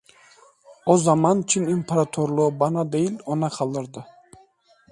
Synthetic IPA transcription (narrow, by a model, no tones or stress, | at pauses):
ɔzamant͡ʃʰinimpʰaɾat̪ʰoɾlˠɔbanad̪ejilɔnaqʰalˠd̪ɨɾd̪ɨ